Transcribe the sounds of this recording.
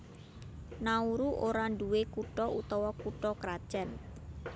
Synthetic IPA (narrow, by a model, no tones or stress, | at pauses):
nauɾuʔoɾaɳɖuwekuʈɔut̪ɔwɔkuʈɔkɾad̥ʒ̥an